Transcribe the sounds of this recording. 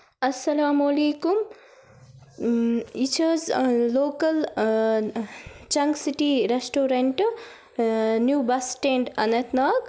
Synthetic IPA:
ɐsːɐlaːmoleːkum | it͡ʃʰɐzloːkɐl | t͡ʃɐŋɡsiʈiɾesʈoːɾeɳʈ | njubɐsʈeɳɖɐnɐt̪naːɡ

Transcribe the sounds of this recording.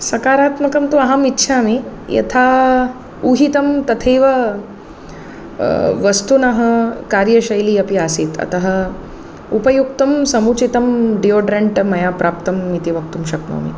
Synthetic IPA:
sɐkaːɾaːt̪mɐkɐmt̪uɐɦamitːɕʰamijɐ̰t̪ʰa | uɦit̪ɐmt̪ɐt̪ʰejʋɐ | ʋɐst̪unaɦɐkaːɾjɐɕɐjliːɐpiasiːt̪ɐ̰t̪ɐɦɐ | upɐjukt̪ɐmsɐmuːt͡ʃit̪ɐmɖioɖɾeɳʈmɐjapɾaːpt̪ɐmːit̪iʋɐk̚t̪umɕɐkno̰mḭ

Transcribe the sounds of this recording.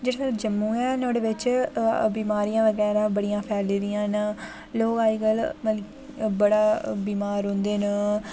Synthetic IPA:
d͡ʒeːɽeəd͡ʒəmːũːɛːnõːɽeːʋɪt͡ʃbiːmaːɾijãːʋəɡɛːɾãːbəɽijãːpʰɛːleːɾɪjãːn | loːɡaːiːɡəlm | bəɽaːbiːmaːɾɦõːnd̪eːnə

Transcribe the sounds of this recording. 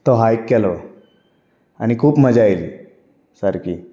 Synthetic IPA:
t̪ɔɦajkːɛlɔ | a̰ñikʰuːpməd͡ʑajli | səɾkiː

